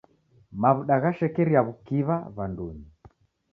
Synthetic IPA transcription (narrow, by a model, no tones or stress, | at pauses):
maβuɗaɣaʃɛkɛɾiaβukiβaβanduɲi